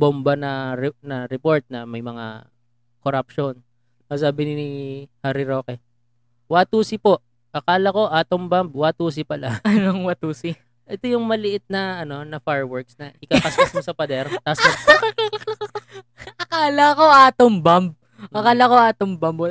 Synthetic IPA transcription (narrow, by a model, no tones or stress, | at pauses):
bombɐnɐɾnɐɾɛpo̞ɹt̪̚nɐmɐjmɐŋa̰ | koɾap̚ʃon | ɐsaːbɪnɪnɪhaːɾɪɾo̞ːkɛ | wat̪uːsɪpo̞ʔ | ʔɐkaːlɐko̞ʔaːt̪oŋbamb̚waːt̪uːsɪpɐlɐɐnoŋwat̪uːsi | ʔɛt̪o̞jʊŋmɐlɪʔɪt̪̚nɐɐno̞nɐfaɹwɛɹksnɐɪkɐkɐsɐsmosɐpɐd̪ɛɾt̪aːso | ʔɐkaːlɐko̞ʔaːt̪oŋbamb̚ | ɐkaːlɐko̞aːt̪oŋbɐmbo